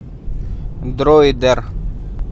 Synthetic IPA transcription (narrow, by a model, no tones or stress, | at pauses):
d̪ɾoːid̪əɾ